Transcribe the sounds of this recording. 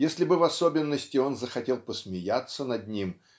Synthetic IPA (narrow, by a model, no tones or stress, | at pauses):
jesʲlʲɪbɨvɐso̞bʲɪnːəsʲtʲɪo̞nzəxɐtʲe̞lˠpəsmʲɪjat̪sənɐd̪nʲim